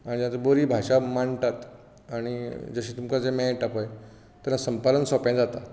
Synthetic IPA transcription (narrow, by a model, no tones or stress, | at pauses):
ãijãt͡səboɾiːbʱaɕamaɳt̪at̪ | aɽ̃id͡zəɕiːt̪umkad͡zemɛ̃ʈapaj | t̪anasəmpad̪ənsɔpãd͡zat̪a